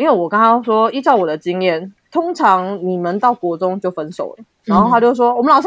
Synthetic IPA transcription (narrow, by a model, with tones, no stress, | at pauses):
i˥nwe˥˩ɪwɔ˨˩kɑ˥ŋɑ˥ʂwɔ˥i˥˧ʈ͡ʂɑ˥˩ʊwɔ˨˩d̪ə˦t͡ɕi˦˥ŋjɛ˥˩nt̪ʰʊ˥ŋʈ͡ʂʰɑ˧˦˥ŋni˨˩mə˨˦nt̪ɑ˥˩ʊkwɔ˧˥ʈ͡ʂʊ˥ŋt͡ɕjo˥˩ʊfə˦˥nʂo̰˨˩ʊlə˦˩na˨˧nxo˥˧a˥˩˥jo˥˧ʊʂwɔ˥wɔ˨mə˦lɑ˨˩ʂ